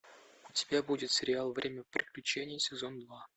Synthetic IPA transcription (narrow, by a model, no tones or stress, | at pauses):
ʊtʲɪ̥bʲabudʲɪt̪sʲɪɾʲɪalˠvɾʲemʲəpɾʲɪklʲʉt͡ɕenʲɪjəsʲɪzond̪va